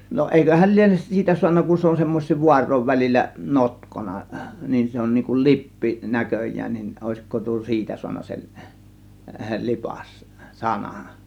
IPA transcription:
no eˑikøhæl lienes siːtæ suɑnːɑ kun se on semːos̆ʲsiːʋ ʋuɑrˑoˑiʋ ʋælilʲːæ notkonɑ niːn se on niːŋ kun lipːi nækøjˑæːn nin oˑe̝siko tuo siːtæ suɑnːɑ sel lipɑs sɑnɑ̥n̥

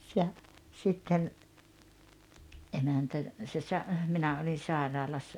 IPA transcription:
jɑ sitːen ʔemæntæ se sɑ minæ olin̞ sɑˑerɑːlɑsːɑ

